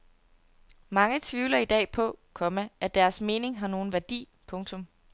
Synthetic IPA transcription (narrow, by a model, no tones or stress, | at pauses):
mɑ̈ŋət͡sʰʋiʊlɐid̥ɛ̰ːpʰɒ̽kʰɒ̽məæd̥æɐsme̝ːne̝ŋɦɑ̈no̝ːn̩ʋæɐd̥ḭː | pʰɔ̽ŋt͡sʰɔ̽m